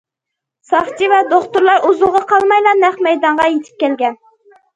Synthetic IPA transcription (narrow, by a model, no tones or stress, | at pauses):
sɑχt͡ʃivɛd̪oχt̪ʊɾlˠɑɾuzʊlˠʁɑqʰɑlˠmɑjlˠɑnɛχmɛjd̪ɑɴʁɑjet̪ʰɪ̥p̚kʲʰɛlɡʲɛn